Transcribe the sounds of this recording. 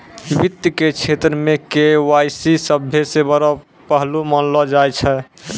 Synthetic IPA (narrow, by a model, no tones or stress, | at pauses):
bit̪jəket͡ʃʰet̪ɾəmekewajsisəbʱesebəɾɔ | pəɦlumənlɔd͡ʒajt͡ʃʰɛ